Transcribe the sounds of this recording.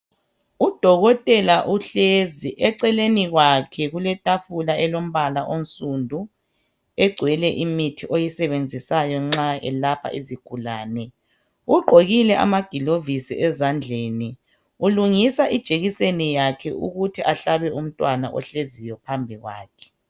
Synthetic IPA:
ud̥ʱɔɣɔtʼɛlaʔuɬeziʔɛǀɛleniɣwakʰɛɣulɛtʼafulaɛlom̩βalaʔon̩sʼundʱu | ɛɡ͡ǀʱwɛlɛʔimitʰiʔojisɛβend͡zʱisajɔŋ͡ǁaɛ̰lapʰa̰ʔiziɡ̥ʱulaːnɛ | uɡ͡ǃʱoɣilɛʔa̰maɡ̥ʱilovisḭʔɛzand͡ɮʱeːni | uluŋisaʔid̥ʒ̥ʱeɣisenijakʰɛʔṵɣutʰiʔaɬaβɛum̩tʼwanaʔɔ̰ɬezijɔpʰambʱiɣwa̰ːkʰɛ̥

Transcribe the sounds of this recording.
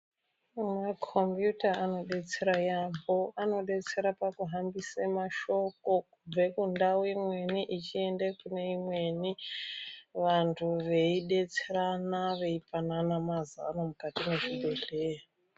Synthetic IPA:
makʰo̞mbjutaːno̞ɗe̞t͡se̞ɾajambo̞ano̞ɗe̞t͡se̞ɾapakuɦambisemaʃo̞ko̞kub͡ve̞kundawemwe̞niʔit͡ʃie̞ndekune̞imwe̞ni | ʋantʰuʋe̞iɗe̞t͡seɾanaʋe̞ipananamazaanomukatimeʐibʱe̞ɬea

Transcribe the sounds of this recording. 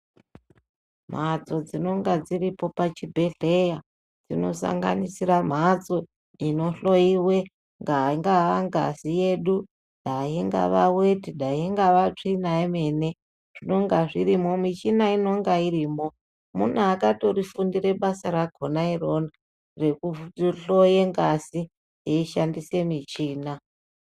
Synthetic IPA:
m̤at͡so̞d͡zino̞ŋɡad͡ziripo̞pat͡ʃibʱe̞ɮeja | d͡zino̞̰sa̰ŋɡa̰nisiram̤at͡so̞ | ino̞ɬo̞iwe̞ | ŋɡaiŋɡaʋaŋɡa̰sijeɗu | ɗaɦiŋɡa̰ʋawe̞tiɗaɦiŋɡaʋat͡ʂinaeme̞ne̞ | ʐ̥ino̞ŋɡaʐiɾimo̞mit͡ʃinaino̞ŋɡairiːmo̞ | mun̤uakato̞rifundiɾe̞ɓasaɾaɡʱo̞nairo̞na | re̞kuɬoje̞ŋɡasi | jeiʃandise̞mit͡ʃiːna

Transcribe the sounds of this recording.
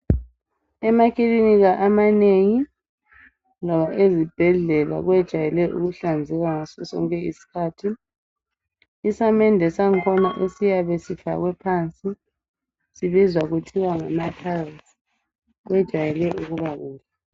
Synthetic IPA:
ɛmakʰʼiliniɣaʔamaneŋi | nɔβaʔezib̥ʱɛɮɛla̰ɣwɛd̥ʒ̥ʱajɛlɛʔṵɣuɬand͡zʱɛɣaŋasɔsɔ̰ŋkʼɛisi̥kʰaːtʰi | isamɛndʱɛsaŋkʰɔna̰ʔesijaβɛsifa̰ɣwɛpʰant͡sʼi | siβizwaɣutʰiwaŋamatʰalz | ɣwɛd̥ʒ̥ʱajɛlɛʔuɣuβaɣuna

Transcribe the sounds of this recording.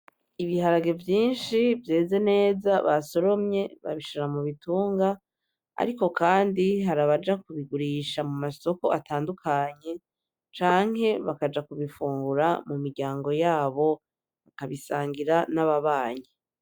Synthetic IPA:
iβiɦaɾaɡe̞vjiːnʃivje̞ːze̞ne̞ːzaβaso̞ɾo̞mɲe̞βa̰βiʃiɾamuβituːŋɡa | a̰ɾiko̞kaːndiɦaɾaβad͡ʒakuβiɡuɾiʃamumaso̞ko̞ʔatʰaːndukʰaɲe̞ | t͡ʃaːŋ̥ɦe̞βakad͡ʒakuβifuːŋɡuɾamumiɾɟaːŋɡo̞jaːβo̞ | βakaβisaːŋɡiɾanaβaβaːɲe

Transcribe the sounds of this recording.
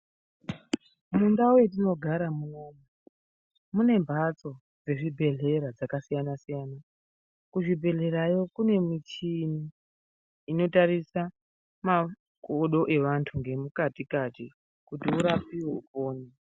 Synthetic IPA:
mundaujet̬ino̞ɡʱaɾamuno̞ːmu | mune̞mbʱat͡so̞ | d͡ze̞ʐibʱe̞ɮe̞ɾad͡zakasijanasijaːna | kuʐibʱe̞ɮe̞ɾajo̞kune̞mit͡ʃiniː | no̞taɾisa | ma | koɗo̞ʔe̞ʋantʰuŋɡe̞mukatikati | kutiuɾapiwe̞upoːni

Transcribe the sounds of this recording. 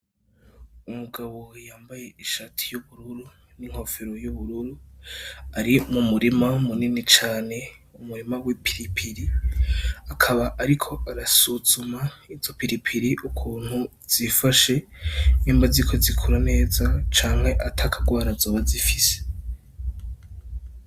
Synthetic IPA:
umuɡaβo̞jaːmbaje̞iʃaːtʰi̥juβuɾuɾu | niŋ̥ho̞feɾo̞juβuɾuɾu | aɾimumuɾimamuninit͡ʃaːne̞umuɾimawipʰi̥ɾipʰiɾi | akʰaβaʔaɾikʰo̞ʔaɾasuzumaiz̥o̞piɾipʰiɾiʔukʰuːn̥hu | z̥ifaʃe̞niːmbazikʰo̞zikʰuɾane̞ːzat͡ʃaːŋhe̞ʔatʰakʰaɡwaːɾazoːβazifise̥

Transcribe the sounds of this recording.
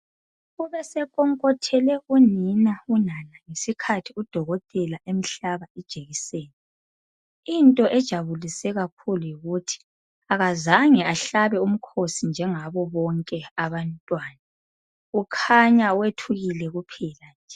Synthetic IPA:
ɣuβɛsɛkʼɔŋkʼɔtʰɛlɛɣuninaunanaŋesikʰatʰiud̥ʱɔɣɔtʼɛlaʔem̩ɬaβaid̥ʒ̥ʱeɣiseːni | intʼɔʔɛd̥ʒ̥ʱaβulisɛɣakʰulujiɣutʰi̥ | aɣazaŋɛaɬaβɛum̩kʰosind͡ʒʱɛŋaβɔβɔŋkʼɛaβantʼwaːna | ukʰaɲawetʰuɣilɛɣupʰɛːland͡ʒʱɛ

